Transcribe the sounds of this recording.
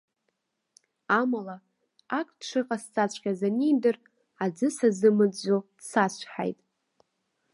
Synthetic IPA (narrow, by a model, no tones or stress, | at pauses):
amala | akʼdʂʰɨqʼast͡sʼat͡ɕʷʰʼkʲʼazanijdɨr | ad͡zɨsazɨmɨd͡zʷod̥sat͡ɕʷʰħa̰jtʼ